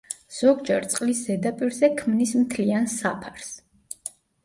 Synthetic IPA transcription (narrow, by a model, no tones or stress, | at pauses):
z̥ɔɡd͡ʒɛɾt̪sʼqʼlisz̥ɛd̪apʼiɾzɛkʰmnismt̪ʰliansapʰaɾs